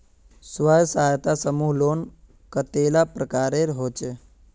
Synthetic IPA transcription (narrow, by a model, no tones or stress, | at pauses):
sʋəjsaajt̪asəmuːɦloːn | kət̪elapɾəkaːɾeɾɦot͡ʃe